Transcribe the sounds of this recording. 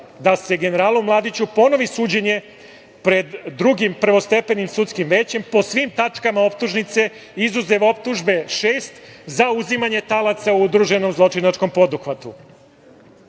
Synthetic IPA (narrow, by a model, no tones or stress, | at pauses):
d̪ase̞ɡe̞neɾaːlumlˠaːd̪it͡ɕupo̞no̞ʋisuːd͡ʑe̞ɲe̞ | pɾe̞d̪ːɾuɡimprɾ̩ʋo̞st̪e̞pe̞nimsut̪skimʋe̞ːt͡ɕe̞mpo̞sʋimt̪at͡ʂkamao̞p̚t̪uʒnit̪se̞ | izuzeʋo̞p̚t̪uʒbe̞ʃeːst̪zauzimaɲe̞t̪alat̪sauud̪ɾuʒe̞no̞mzlˠo̞t͡ʃinat͡ʃko̞mpo̞d̪uxʋat̪u